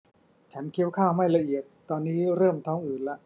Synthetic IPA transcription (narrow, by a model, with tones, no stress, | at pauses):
t͡ɕʰa˦˥nkʰi˦˥wkʰaː˥˩wma˥˩jla˧ʔi˨˩ət̪̚t̪ɔː˧nːiː˦˥ɾɤː˥˩mt̪ʰɔː˦˥ŋʔɯː˨˩nla˦ʔ